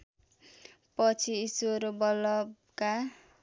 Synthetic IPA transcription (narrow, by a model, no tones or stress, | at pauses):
pʌt͡sʰiːsɾobʌlʌb | ka